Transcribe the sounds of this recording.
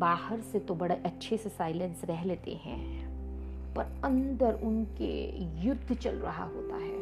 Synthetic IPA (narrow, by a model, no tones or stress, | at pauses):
baːhəɾset̪obɐɽeʔɐtːʃʰesesaːɪlə̃nsɾɛɦleːt̪ḛɦɛ̰̃ | pɐɾɐ̃nd̪əɾʊnkḛjʊd̪ʱːt͡ʃɐ̰lɾɐ̰ɦa̰ɦo̰ːt̪a̰ɦɛː